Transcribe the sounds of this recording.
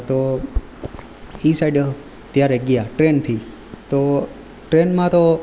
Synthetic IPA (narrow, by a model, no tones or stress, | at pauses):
t̪o | isajɖə | t̪jaɾeɡjaʈɾent̪ʰi | t̪o | ʈɾenmãt̪o